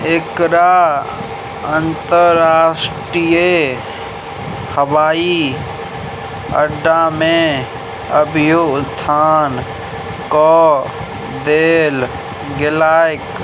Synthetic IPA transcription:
eːkɾa | ənt̪əɾɾaːsʈɾije | həʋaːi | ə̰ɖːamẽ | əbʱɪjod̪ʱːaːn | kɔː | d̪eːl | ɡɪlaːjk

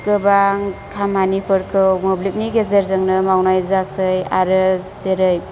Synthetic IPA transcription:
ɡɯbaŋkʰamanipɯɾkʰɯwmoblik̚niɡezeɾzɯŋnɯmawnajzasɯjaɾɯzeɾɯj

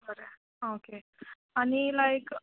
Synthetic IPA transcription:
bəɾe | oke | anilajk

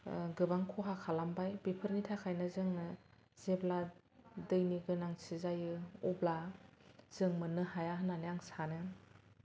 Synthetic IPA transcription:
ɡɯbaŋkʰɔɦakʰalambajbipʰɯɾnitʰakʰajnɯzɯŋnɯ | z̥ebla | dɯjniɡɯnaŋsizajɯɔbla | z̥ɯŋmɯnɯhajaɦɯnanɯjaŋsanɯjaŋ

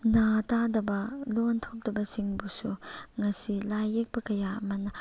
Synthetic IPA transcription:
natadɐbɐlontʰop̚dɐbɐsiŋbusuŋɐsilajek̚bɐkɐjaɐmɐnɐ

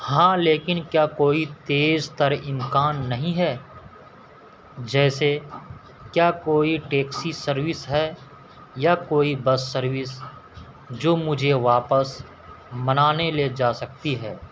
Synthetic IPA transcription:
hãːleːkɪnkjaːkoːit̪eːzt̪əɾɪmkaːnːɐɦĩɦɛː | d͡ʒɛːse | kjaːkoːiʈeːksisəɾʋɪsɦɛː | jakoːibɐsːəɾʋɪs | d͡ʒoːmʊd͡ʒʱeʋaːpəs | mɐnaːneled͡ʒaːsɐk̚t̪iɦɛː

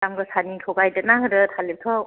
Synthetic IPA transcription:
amɡɯsanitʰoɡajdet̚naɦɯdɯtʰalep̚tʰɯ

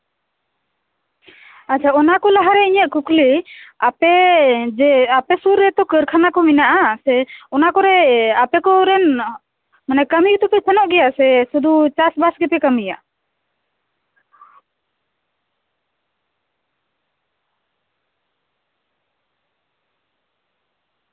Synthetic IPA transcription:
at͡ʃʰaɔnakɔlaɦaɾɛiɲəʔ̚kukliapɛd͡ʒɛapɛsuɾːɛt̪ɔkəɾkʰanakɔminaʔasɛɔnakɔɾɛapɛkɔɾɛn | manɛkəmijt̪ɔpip̪ʰɛnɔʔɡɛjasɛsud̪ut͡ʃasbasɡɛp̪ɛkəmija̰

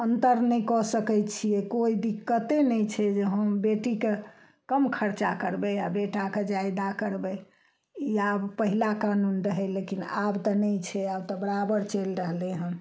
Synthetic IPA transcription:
ənt̪əɾnɛjkɔsəkɛt̪t͡ʃʰiɛkoid̪ikːət̪enɛjt͡ʃʰɛd͡ʒeɦəmbeʈike | kəmkʰəɾt͡ʃakəɾbɛabeʈaked͡ʒajd̪akəɾbɛ | iabpəɦilakanunɾəɦɛlekinabt̪ɔnɛjt͡ʃʰɛabt̪ɔbəɾabəɾt͡ʃelɾəɦleɦə̃m

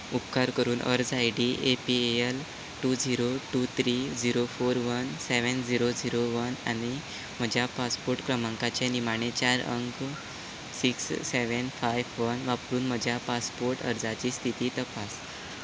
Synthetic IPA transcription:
upkaɾkəɾuːnʔə̰ɾd͡zajɖiʔepieel | ʈud͡ziɾoʈut̪ʰɾid͡ziɾofoɾʋənseʋənd͡ʑiɾod͡ziɾoʋənañi | m̤əd͡ʑʱjapaspoɾʈkɾəmaŋkat͡ɕenimaɳ̃et͡ɕaɾə̰ŋk | siksːeʋənfajʋʋənʋapɾuːnm̤əd͡ʑʱjapaspoɾʈə̰ɾd͡zat͡ɕiːst̪ʰit̪iːt̪əpas

